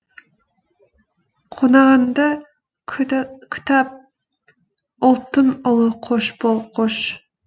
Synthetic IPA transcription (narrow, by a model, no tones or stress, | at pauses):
qʰonɑʁɑnd̪ɑ | kʲʰy̥t̪ɑp̚ | olˠt̪ɨnʊlˠʊqʰoʃbolˠqʰoʃ